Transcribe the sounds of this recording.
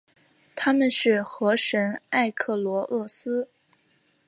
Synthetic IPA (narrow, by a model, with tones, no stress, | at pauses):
t̪ʰa˥mə˨nʂɻ̩˥˩xɤ˧˥ʂə˧˥na˥˧ɪkʰɤ˥˩lwɔ˧˥ʔɤ˥˩sɹ̩˥